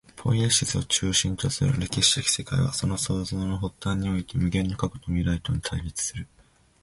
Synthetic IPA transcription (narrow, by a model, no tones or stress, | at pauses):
pʰõ̞̰ĩeɕisɨo̞̰t͡ɕɨːɕĩnt̪o̞sɨɾɯ̟̰ɾe̞kʲiɕi̥t̪ekʲi̥se̞kaiβa̰so̞no̞so̞ːzoːno̞ɦo̞t̪ːãɲ̟ːio̞it̪e̞mɯ̟ɡẽ̞nːokako̥t̪omʲiɾait̪o̞ɲ̟it̪ʰaiɾʲit͡sɨ̥sɨɾɯ̟